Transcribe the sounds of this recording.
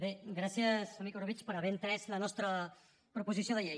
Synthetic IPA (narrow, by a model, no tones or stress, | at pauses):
beɡɾasjəsamikorβit͡ʃpəɾəβɛnt̪ɾɛslənɔst̪ɾə | pɾupuzisjoðəʎej